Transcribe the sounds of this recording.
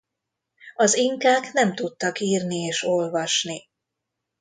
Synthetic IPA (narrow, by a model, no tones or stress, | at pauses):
ɒziŋkaːknɛmt̪ut̪ːɒkiːrnieːʃo̞lvɒʃni